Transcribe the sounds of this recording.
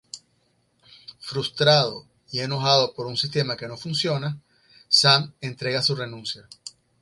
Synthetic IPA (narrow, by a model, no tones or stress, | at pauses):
fɾust̪ɾaðo̞ | ieno̞xað̞o̞po̞ɾunsist̪e̞make̞no̞funsjo̞na | same̞nt̪ɾe̞ɣasure̞nũnsja